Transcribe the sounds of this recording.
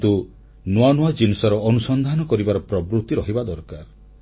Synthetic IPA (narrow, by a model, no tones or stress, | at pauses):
t̪u | nwanuad͡ʒinisɔɾɔːnusɔnd̪ʱanɔkɔɾibaɾɔpɾɔbɾut̪ːiɾɔɦibad̪ɔɾkaɾ